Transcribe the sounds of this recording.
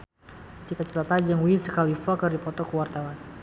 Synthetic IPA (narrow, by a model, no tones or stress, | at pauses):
t͡ʃit̪at͡ʃḁt̪at̪ad͡ʒəŋwisəkalifakərdipɔt̪ɔkəwart̪awan